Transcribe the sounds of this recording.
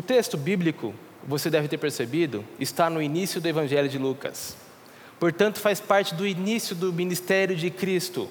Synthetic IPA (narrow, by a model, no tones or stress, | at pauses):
ʊt̪est̪ʊbiblikʊ̰ | vosed̪ɛvɪt̪eɾpeɾsebid̪ʊ̰ɪst̪anʊinisjʊd̪ʊevɐ̃ʒɛljʊd͡ʒɪlukɐ̰s | poɾt̪ɐ̃nt̪ʊ̥faspaɾt͡ʃɪd̪ʊinisjʊd̪ʊminist̪ɛɾjʊd͡ʒɪkɾist̪ʊ̰